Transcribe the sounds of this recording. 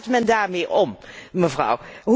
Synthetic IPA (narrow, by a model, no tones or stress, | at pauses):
tmɛndaːɹmeːʔɔmməvrɑ̰wɦ